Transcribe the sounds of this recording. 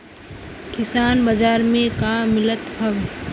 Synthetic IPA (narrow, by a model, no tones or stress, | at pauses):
kɪsaːnbad͡ʒaːɾmẽkaːmɪlət̪ɦɐʋ